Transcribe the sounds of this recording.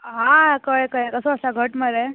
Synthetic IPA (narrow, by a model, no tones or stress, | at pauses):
ɦãkəjkəjkəsəəsaɡʱəʈməɾe